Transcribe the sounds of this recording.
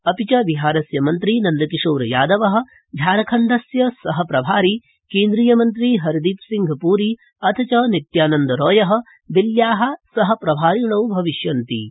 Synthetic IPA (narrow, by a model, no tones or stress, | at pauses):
ɐpit͡ʃɐʋiɦaːɾɐsjɐmɐnt̪ɾiːnɐnd̪ɐkiʂoːɾɐjaːd̪ɐʋɐɦɐ̆ | d͡ʒ̪ʱaːɾɐkʰɐɳɖ̪ɐsjɐsɐɦɐpɾɐbʱaːɾi | keːnd̪ɾiːjɐmɐnt̪ɾiːɦɐɾd̪iːpsiŋɡʱɐpuːɾi | ɐt̪ʰɐt͡ʃɐnit̪jaːnɐnd̪ɐɾɔːjɐɦɐ̆ | d̪iljaːɦɐ̆sɐɦɐ̆pɾɐbʱaːɾiɳɐwbʱɐʋiʃjɐnt̪ḭ